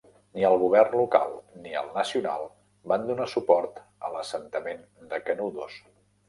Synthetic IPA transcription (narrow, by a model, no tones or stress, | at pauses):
niəlˠɣ̞uβ̞ɛrnluka̰lˠniə̰lˠnəsiuna̰lˠ | band̪unasupɔɾt̪ | ə̰ləsənt̪əmen | d̪əkənuðos